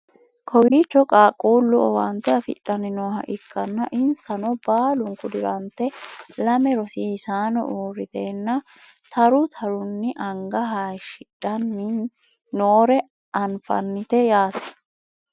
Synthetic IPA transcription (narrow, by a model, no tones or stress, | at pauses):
kʰɔwiːt͡ʃːɔkʼaːkʼuːlːʊɔwɐnt̪ːɛɐfɪ̰ᶑɐnɪnoːɦɐ̰ʔɪkːɐnːɐʔɪnsɐnɔbaːlʊŋkʊd̪ɪɾɐnt̪ːɛlɐmɛɾɔsiːɪsaːnɔ̰ʔuːɾːɪt̪eːnːɐ | t̪ʰɐɾʊt̪ʰɐɾʊnːɪʔɐŋɡɐɦɐʃɪᶑɐnːɪ | noːɾɛ | ɐnfɐ̰nːɪt̪ɛjaːt̪ɛ̥